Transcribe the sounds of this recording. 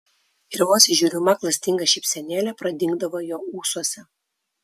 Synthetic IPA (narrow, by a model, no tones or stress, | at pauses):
ɪɾʋoːsʲɪʒʲuːɾʲɪmɐklˠɐsʲt̪ʲɪŋɡɐʃʲɪːpʲsʲɛnʲeːlʲɛpɾɐd̪ʲɪŋɡd̪ɐʋoːjoːuːsuɔsʲɛ